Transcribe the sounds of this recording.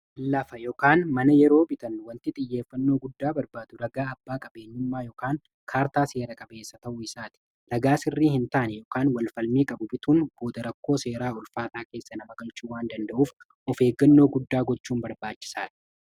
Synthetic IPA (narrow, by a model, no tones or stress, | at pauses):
lɐfɐjɔkaːnmɐnɐjɛɾo̞ːbɪt̪ɐnːʊwɐnt̪ɪt̪ʼɪjːe̞ːfːɐnːoːɡʊd̪ːaːbɐɾbaːd̪ʊɾɐɡaːɐbːaːkʼɐbe̞ːɲːʊmːaːjɔkaːŋ | kʰaːɾt̪aːse̞ːɾɐkʼɐbe̞ːsːɐt̪ɐʔʊɪsaːt̪ɪ̥ | ɾɐɡaːsɪrːiːhɪnt̪aʔɐnɛjɔkaːnwɐlfɐlmiːkʼɐbʊbɪt̪uːnb̥o̞ːd̪ɐɾɐkːoːse̞ːɾaːʊlfaːt̪aːke̞ːsːɐnɐmɐɡɐlt͡ʃuːwaːnd̪ɐnd̪ɐʔuːf | ɔfe̞ːɡːɐnːo̞ːɡʊd̪ːaːɡɔt͡ʃːuːnbɐɾbaːt͡ʃːɪ̥saːᶑ̪ɐ̥